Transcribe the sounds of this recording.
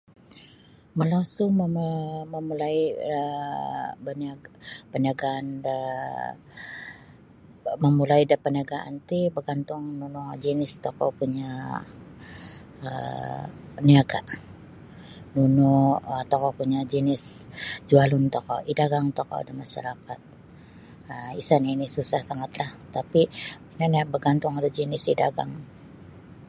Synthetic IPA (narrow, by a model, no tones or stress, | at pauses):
məlasuməməmulaiə | bənaɡpəniaɡaːndə | məmulaidapəniaɡaa̰nt̪ibəɡant̪ʊŋnunud͡ʒinɪst̪ɔkɔpuɲa | ə̰ | niaɡa̰ʔ | nunʊət̪ɔkɔpuɲad͡ʒinɪsd͡ʒualʊnt̪ɔkɔʔidaɡaŋt̪okɔ̰a̰damaʃa̰ɾakat̪̚ | əḭsanainisusahsaŋat̪laht̪apiinaniabəɡant̪ʊŋadud͡ʒinɪsidaɡa̰ŋ